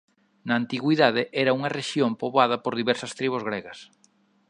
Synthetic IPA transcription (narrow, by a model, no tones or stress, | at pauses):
nɐːnt̪iɣwiðaðeʔɛɾɐuŋɐreʃjompoβað̞ɐpoɾðiβɛɾsɐst̪ɾiβ̞ozɣɾeɣɐs